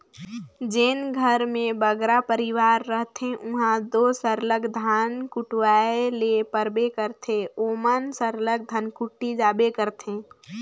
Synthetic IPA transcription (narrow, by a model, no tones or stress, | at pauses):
d͡ʒɪnɡʱəɾmẽbəɡɾapəɾɪwaːɾːəɦt̪ẽʊɦãd̪osəɾləɡd̪ʱaːnkʊʈwaːelepəɾbekəɾt̪ʰeoːmənsəɾləɡ̚d̪ʱənkʊʈːid͡ʒaːbekəɾt̪ʰẽ